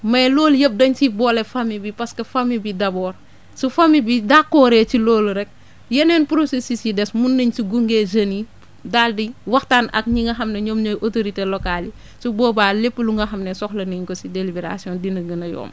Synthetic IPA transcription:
mɐjlɔːljəp̚dɐɲt͡ʃibɔːlɛfɐmːibipɐskɐfɐmibidɐbɔːr | sufɐmibidakːɔːɾɛcilɔːluɾɛk̚ | jɛnɛːnpuɾosisisidɛsmunːɐɲsiɡuŋɡezɐni | daːldiwɐxtaːnɐ̰k̚ɲiŋɡɐɦɐmnɛɲoːmɲoʔotoɾitelɔkali | subɔːbaːlepːəluŋɡɐxɐmnɛsɔxlɐniɲkɔsidelibeɾa̰siɔndinɐɡɐnɐjɔ̰ːm

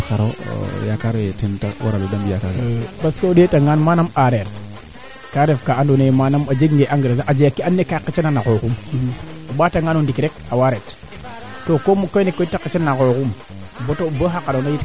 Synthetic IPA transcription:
kaɾo̰jakaɾetinta̰wa̰ɾaludambijakaɾbaskoodetaŋɡanmanamaɾeɾ | kaɾefkaandonajmanamad͡ʒeɡŋɡeʔaŋɡiɾazaʔad͡ʒejakːianːekakit͡ʃenanakokum | oɓataŋɡanondikɾek̚awaɾet | tokomukonekoitːakit͡ʃenanakokum | botobəɦakaɾonajit

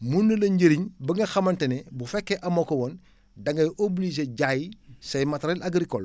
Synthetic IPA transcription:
mundɐlɐɲɟəɾiɲbɐŋɡɐxɐmɐntɐnebufɛkːeʔɐmokowon | dɐŋɡɐjʔoblis̬eɟajisɐjmɐtɾelaɡɾikol

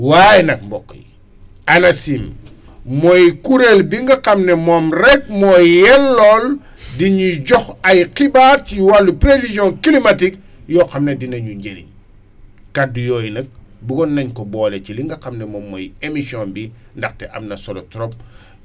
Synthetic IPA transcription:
wajɛnɐk̚mbɔkːjḭ | ɐnɐsim | mɔjkuɾelbiŋɡɐqɐmnɛmɔmrɛk̚mɔjjɛlːɔːl | diɲuɟɔxɐjqibaɾciwalːupɾevizɔ̃nkilimɐtik | jɔxɐmnedinɐɲuɲɟelḭɲ | kadujɔːjinɐk̚bukɔnːɐɲkɔbɔːleciliŋɡɐqɐmnɛmɔmːɔ̰jemisiɔnbi | ndɐxtɛʔɐ̰mnɐsɔlɔ̰tɾɔp̚

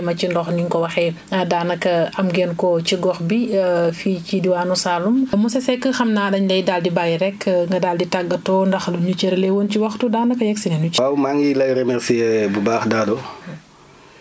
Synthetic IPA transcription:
mɐcindɔxniŋkɔwɐxɛ | ɐdaːnɐkɐɐmɡɛnkɔciɡɔxbifiːcidiwaːnusalummusɛsɛkːəxɐmnaːdɐɲdɐjdaldibajɾɛkːŋɡɐdaːlditaɡːɐtɔːndɐxluɲut͡ʃɛɾlɛwonciwɐxtudaːnɐkɐjɛksinɛnut͡ʃawmaŋɡilɐjɾemɛɾsiɛbubaːxdaːdu

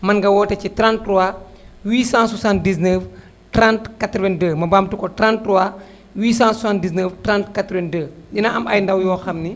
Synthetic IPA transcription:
mɐnɡɐwɔːtɐcitɾãntrua | wiːsãswasãnt̚disnəːf | tɾãntkatɾvɛndəːmɐbamtukɔtɾãntɾua | wiːsãːssãntdis̬nəːftrãntkatɾɛndəːdinɐʔɐmɐjndɐwjɔːxɐmni

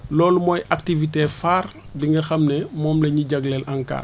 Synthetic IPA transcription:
lɔːlmojʔak̚tivitefaːɾbiŋɡɐxɐmnemɔːmleɲiɟaɡlɛlʔaŋka̰ː

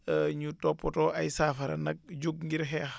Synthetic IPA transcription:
ɲutɔpːɔtɔʔɐjsaːfɐɾɐ̰nɐk̚d͡ʒuk̚ŋɡiɾɦɛ

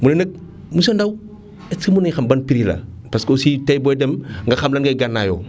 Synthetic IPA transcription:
mulenɐk̚ | musondaw | et͡simunaɲxambanpiɾila̰ | paskositajbojdemŋɡaxamlanɡaɡanːajo̰

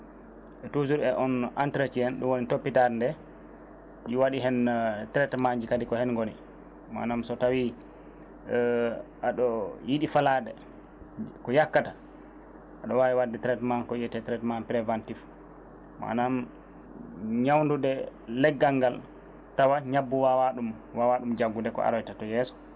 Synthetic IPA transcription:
ʔɛtuzuɾɛʔɔnʔantɾet͡ʃijɛnɗumwonitopːitaɾndɛ | ʔiwaɗiɦɛntɾɛtmaɲd͡ʒikadikɔhɛnŋɡoni | ma̰namsɔtawi | ʔaɗɔjiɗifaladɛ | kɔjakːata | ʔaɗɔwawiwadːɛtɾɛtmankɔjɛtɛtɾɛtmanpɾɛvantif | ma̰nam | ɲawndudɛlɛɡːaŋɡal | tawaɲabːuwawaɗum | wawaɗumd͡ʒaɡːudɛkɔ̰ʔa̰ɾɔjtatɔjɛːsɔ̥

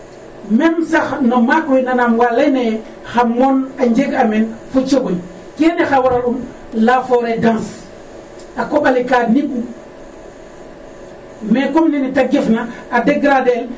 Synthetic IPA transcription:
mɛmsaxnomakɾinanamwalene | xamɔnaɲd͡ʒeɡamɛnfut͡ʃoɡoj | keːnexawaɾalum | lafoɾedãns | akoɓalikaːdnikːu | mekomninitaɡefnaːdeɡɾadel

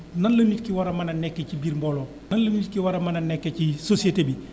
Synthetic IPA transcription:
nɐnlɐnːiːtkiwɐɾɐmɐnɐnɛkːecibiːɾmbolo | nɐnlɐnitkiwɐɾɐmɐnɐnɛkːecisosieteːbi

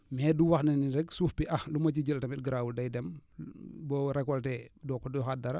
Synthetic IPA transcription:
mɛːduwaxnɛniɾɛksuːfpiʔɐxlumɐcid͡ʒəltɐmit̚ɡɾawuldɐjdɛm | bɔɾɛkɔltɛdɔkːɔdɔxadɐɾɐ

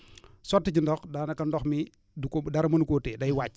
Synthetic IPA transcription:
sɔtːəɟindɔxdaːnɐkɐndɔxmi | dukodɐɾɐmɐnukoːtɛːdɐjwaːc̚

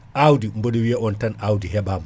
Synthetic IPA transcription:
ʔawdimboɗuwijaʔɔntanʔawdiɦɛɓama

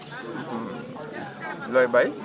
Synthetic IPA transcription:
ʔɨm | ləːjɓəj

